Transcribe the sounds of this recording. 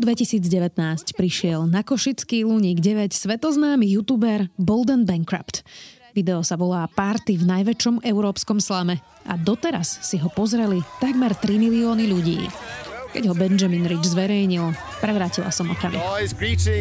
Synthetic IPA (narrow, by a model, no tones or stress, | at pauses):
d̪ʋɛcisiːd͡zɟɛʋɛt̪naːscpɾiʃɪɛlnakɔʃit͡skiːluɲiːɡɟɛʋɛcsʋɛt̪ɔznaːmijut̪uːbɛɾbɔld̪ɛnbɛŋkɾa̰pt̪ | ʋid̪ɛɔsaʋɔlaːpaɾt̪ivnajʋɛt͡ʃɔmɛʊɾɔːpskɔmslamɛ | ʔa̰d̪ɔt̪ɛɾasːiɦɔpɔzɾɛlit̪aɡmɛɾt̪ɾimiliɔːniʎuɟḭːkɛ̰ɟɦɔbɛnd͡ʒaminɾid͡ʒzʋɛɾɛjɲil | pɾɛʋɾaːcila̰sɔmɔ̰kamḭkɾiːt͡ʃi